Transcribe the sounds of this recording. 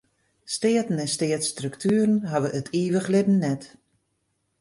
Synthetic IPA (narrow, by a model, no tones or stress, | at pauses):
stɪətn̩ɛnstɪətstrɵktʰyːəɾənɦaʋəʔətʰiːʋəχlɪbn̩ːɛt